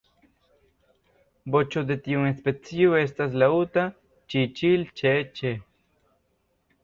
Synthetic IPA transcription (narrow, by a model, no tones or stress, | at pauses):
bot͡ʃod̪et̪iuŋespet͡sioest̪as̬laut̪a | t͡ʃit͡ʃilt͡ʃet͡ʃe